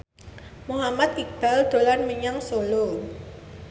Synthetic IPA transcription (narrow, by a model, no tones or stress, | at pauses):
muɦamat̪̚kik̚b̥ald̪̥olanməɲaŋsolo